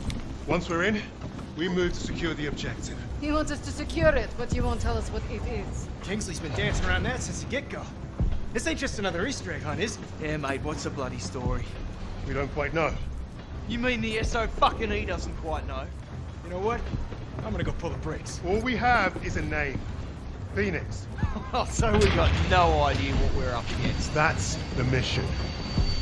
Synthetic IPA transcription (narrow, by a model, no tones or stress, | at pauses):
wʌ̃nswiɹɪ̃n | wimʉv̥tʰɨ̥sɨkʰj̥ʊɹðiɑb̚d͡ʒɛk̚tsɪ̃nhiwɑ̃ntsʌstʰɨsɨkʰj̥ʊɹɪt̚b̥ʌt͡ʃɨwõʊ̃ntʰɛlˠʌswʌɾɪɾɪz̥kʰɪ̃ŋzlˠizbɨ̃ndæ̃nsɪ̃ŋəɹãʊ̃nðɨtsɪ̃nsiɡɪt̚ɡ̥oʊðɨtsɪ̃nt͡ʃɨstɨnʌðə˞istɹ̥eɪɾ̚hãɪ̃nɪz̥ | jɛmeɪd̚wʌtsəblʌɾistɔɹiwiɾõʊ̃nkʰw̥aɪtⁿnoʊ | jɨmĩnðiɪsoʊfʌkɨ̃nidʌzn̩kʰw̥aɪtⁿnoʊ | jɨñoʊwʌt̚ | ãɪ̃mɡʌnɨɡoʊpʰʊlˠðəbɹeksɔlˠwiəvɪzɨnẽɪ̃m | fĩnɪks | ɛlˠsoʊwivɡɑt̚ⁿnoʊaɪdiɨwʌʔ̚wɪɹʌ̰pɨɡɛ̰̃nðætsðɨmɪʃɨ̰̃n